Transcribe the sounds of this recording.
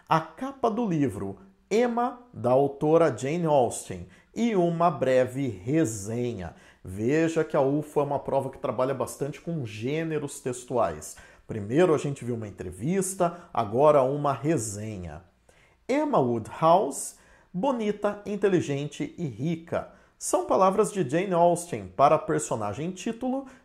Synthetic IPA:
ɐkapɐd̪ʊlivɾʊ̰ | ẽmɐd̪ɐawt̪oɾɐd͡ʒẽjnɔwst̪ḛ̃j̃ | ɪũmɐbɾɛvɪhezẽɲɐ̰ | veʒɐkɪɐufʊɛũmɐpɾɔvɐkɪ̥t̪ɾabaʎɐbast̪ɐ̃nt͡ʃɪ̥kõʒẽneɾʊst̪est̪uajs | pɾimejɾʊaʒẽnt͡ʃɪviwũmɐẽnt̪ɾḛvist̪ɐa̰ɡɔɾɐũmɐɦezẽɲɐ̰ | emɐud̪haws | bonit̪ɐĩnt̪eliʒẽnt͡ʃɪɪɦikɐ̰ | sɐ̃w̃palavɾɐzd͡ʒɪd͡ʒejnɔwst̪ẽj̃paɾɐpeɾsonaʒẽj̃t͡ʃit̪ulʊ

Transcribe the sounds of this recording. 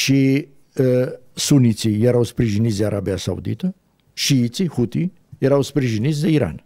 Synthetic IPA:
ʃi | sunit̪sijeɾawspɾiʒinit̪zd̪eaɾʔabijasa̰ṵd̪ḭt̪ə | ʃiit̪sihut̪i | jeɾawspɾiʒinit̪sʲd̪eiɾa̰n

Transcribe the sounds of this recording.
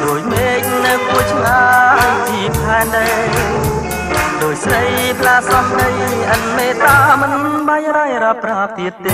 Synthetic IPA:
ɗoːc̚meːk̚nɨwkuət͡ɕʰnaːt͡ɕiəpʰaɛnɗəj | ɗoːc̚sɾəjpʰlaːsɑmɗəjʔən̚meːt̪aːmɨnɨŋɓajɾajɾaːpraːt̪iət̪ːeː

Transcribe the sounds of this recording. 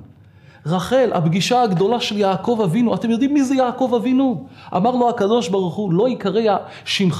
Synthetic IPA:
ʁaχe̞lʔa̰bɡiʃaaɡd̪o̞laʃe̞ljaːko̞vavinuat̪e̞mjo̞d̪imːizejaːko̞vavinuʔa̰maʁlo̞akad̪o̞ʃbaʁuχulo̞ikaʁea | ʃimχ

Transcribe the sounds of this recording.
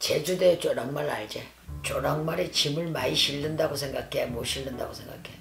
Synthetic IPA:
t͡ɕed͡ʑudet͡ɕɾʌŋmaɾa̰ɭd͡ʑe | t͡ɕoɾʌŋmaɾit͡ɕimɯɭmaiɕʰiɭːɯndaɡosʰe̞ŋɡakʰemoɕʰiɭːɯnda̰ɡosʰe̞ŋɡa̰kʰej

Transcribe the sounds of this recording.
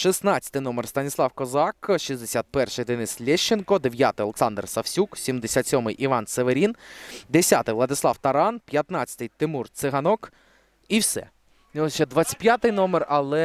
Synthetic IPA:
ʃisnat͡sʲɐ̥t̪ɪjnɔmerst̪ɐnʲislˠɑwkɔzɑkʃizd̪esʲat̪̚pɛrʃɪjd̪enɪslʲɛʃt͡ʃenkɔd̪eʋʲjat̪ɪjɐlˠeksɑnd̪rsɐwsʲuksʲimd̪esʲat̪ʲsʲɔmɪjʔiʋɑnt̪seʋeɾʲind̪esʲat̪ɪjʋlˠɐd̪ɪslˠɑwt̪ɐɾɑnpʲjɐt̪nɑt͡sʲɐt̪ɨjt̪ɪmurt̪sɪɦɐnɔk | iwsɛ̰ | ʃɛd̪ʋat͡sʲɐ̥t̪̚ʲpʲjat̪ɪjnɔmerɐlˠɛ

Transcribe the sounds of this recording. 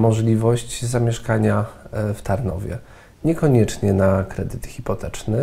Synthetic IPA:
mɔʐlʲivɔɕt͡ɕzamʲjɛʂkaɲaft̪aɾnɔ̰vʲjɛ̰ | ɲɛkɔɲɛt͡ʂɲɛnakɾɛd̪ɘt̪xʲipɔt̪ɛt͡ʂnɘ

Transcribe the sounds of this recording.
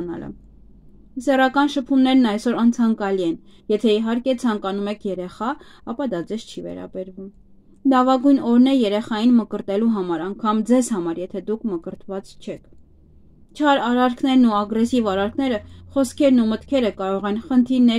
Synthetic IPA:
nɑ̰lə̰ | sɛrɑkɑnʃəpʰumnɛɾnɑjsɔɾɑnt͡sʰɑŋkɑliɛnjɛt̪ʰɛiɦɑɾkɛt͡sʰɑŋkɑnumɛkʰjɛɾɛχɑɑpɑd̪ɑd͡zɛzt͡ʃʰivɛ̰ɾɑ̰bɛɾvum | lɑvɑɡujnɔɾnɛjɛɾɛχɑjinməkəɾt̪ɛluɦɑmɑɾɑŋkʰɑmd͡zɛzhɑmɑɾjɛt̪ʰɛd̪ukʰməkəɾt̪vɑt͡st͡ʃʰɛkʰ | t͡ʃʰɑɾɑɾɑɾkʰnɛɾnuɑɡɾɛsivɑɾɑɾkʰnɛɾəχɔskʰɛɾnumət̪kʰɛɾəkɑɾɔʁɛnχənt̪ʰiɾnɛ

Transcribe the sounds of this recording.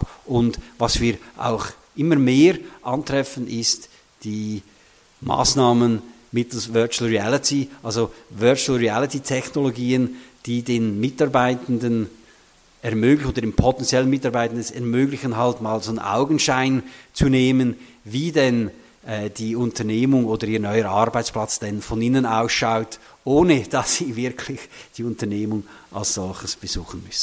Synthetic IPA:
pʔʊndvɑsv̥iːɐʔa̰ʊx | ʔɪməmeːɾʔɑntʁ̥ɛfənʔɪst | d̥iː | ma̰ːsnaːmən | mɪtl̩svœɐt͡ʃuəlɹiælɪtiʔalzovœɐt͡ʃl̩ɹiɛlɪtitʰɛçnoloɡiːənd̥iːdeːnmɪtɑʁbaɪtən̩dən | ɛɐmøːɡlɪçoːdədeːnpʰotɛnt͡sjɛlənmɪtɑʁbaɪtən̩dəsɛʁmøːɡlɪçənɦaltmaːlzoːnʔa̰ʊɡən̩ʃaɪnt͡suneːmən | viːdɛn | ʔɛːd̥iːʊntəneːmʊŋoːdəɾiːɐnɔʏəɑɾbaɪt͡spl̥at͡sd̥ɛnfɔninənaʊsʃaʊt | ʔoːnəd̥ɑsːiːvɪɐkʰlɪçd̥iːʊntəneːmʊŋ | ʔa̰lsz̥ɔlçəsb̥əz̥uːxən̩mʏsn̩

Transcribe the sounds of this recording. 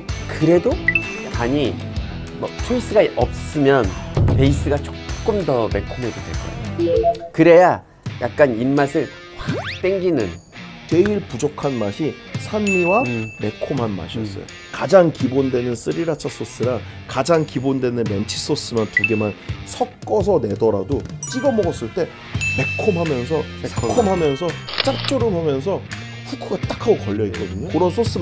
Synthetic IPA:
kɯɾe̞do | aɲi | mʌkʰeis͈ɯɡaʔʌp̚s͈ɯmjʌnpe̞is͈ɯɡat͡ɕ͈okk͈ɯmdʌme̞kʰomedodwe̞̰ɭk͈ʌ̰ejokɯɾe̞ja | jak̚k͈aninmasʰɯɭ | pak̚t͈eŋɡinɯn | t͡ɕe̞iɭpud͡ʑokʰanmaɕʰi | sʰanmiwame̞kʰomanma̰ɕʰiʌs͈ʌ̰jo̰ | kad͡ʑaŋkibondwe̞nɯns͈ɯɾiɾat͡ɕʰas͈os͈ɯɾaŋ | kad͡ʑaŋkibondwe̞nɯnme̞nt͡ɕʰi̥s͈os͈ɯmjʌntuɡe̞mansʰʌk̚k͈ʌs̬ʰʌne̞dʌɾadot͡ɕ͈iɡʌmʌɡʌs͈ɯɭt͈e̞ | me̞kʰomɦamjʌns̬ʰʌkʰomɦamjʌnsʰʌt͡ɕ͈ak̚t͡ɕ͈oɾɯmɦamjʌns̬ʰʌ | ɸukʰuɡat͈akʰaɡokʌʎːʌik͈ːʌdɯɲokɯɾʌns͈ʰos͈ɯ

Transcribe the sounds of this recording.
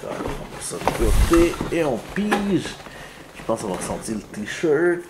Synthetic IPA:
a̰ɑ̰̃pɛsɔnkot̪eeɔ̃piʒ | ʒ̥əpɑ̃sɔ̃vaʁsɑ̃t̪ilət̪iʃœɹt̪

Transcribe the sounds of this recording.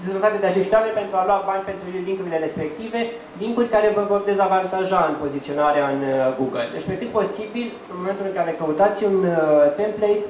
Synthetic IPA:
d̪e̞zvolt̪at̪ed̪eat͡ʃe̞ʃt̪oamenʲpe̞nt̪ɾualwabanʲpe̞nt̪ɾuliŋkuɾile̞ɾe̞spe̞k̚t̪ive̞ | liŋkurʲkaɾe̞vəvo̞rd̪e̞zavant̪aʒaɨnpo̞zit̪sio̞naɾeaɨnɡuɡəld̪e̞̰t͡ʃpekɨt̪̚po̞sibil | ɨnmo̞me̞nt̪ulɨŋkalekəut̪at̪sʲunt̪e̞mplejt̪

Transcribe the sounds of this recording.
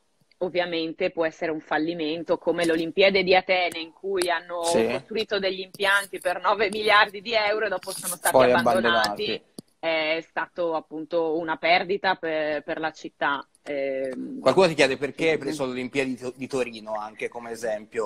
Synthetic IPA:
ovːjament̪epwɔɛsːeɾeuɱfalːiment̪okomelolimpiad̪ed̪iat̪ɛːnaiŋkujanːokost̪ɾuwiːt̪od̪eʎːimpjant̪ipernɔːvemiljard̪id̪iɛwɾoed̪ɔːposoːnost̪aːtiajabːanbd̪ooanːt̪i | ɛɛst̪aːt̪oapːunt̪ounapɛrd̪it̪apeperlat͡ʃit̪ːa | ɛkwalkuːnot̪ikjɛːd̪eperkeapɾesololimpiːad̪id̪it̪oɾiːnoaŋkekomeːzɛmpjo

